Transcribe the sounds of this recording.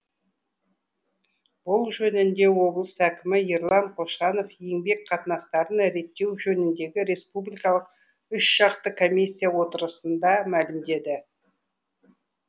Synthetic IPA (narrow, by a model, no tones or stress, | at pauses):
b̥ʊlˠʒɵnɪnd̪e̞wo̞blˠəsækʲɪmɪeɾlˠɑɴqʰoʃɑnofje̞ŋbe̞kqʰɑt̪ənɑst̪ɑɾənɾe̞t̪ːe̞wʒɵnɪnd̪e̞ɡʲɪɾe̞spublʲijkɑlˠəq̚ | ʏʃʒ̥ɑqt̪əkʰo̞mʲisʲːijawo̞t̪əɾəsənd̪ɑmælɪmd̪e̞d̪ɪ